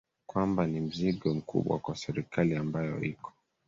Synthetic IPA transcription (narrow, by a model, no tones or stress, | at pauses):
kwambanim̩ziɠɔm̩kṵɓwa̰kwasɛɾikaliambajɔ̰ikʰɔ̥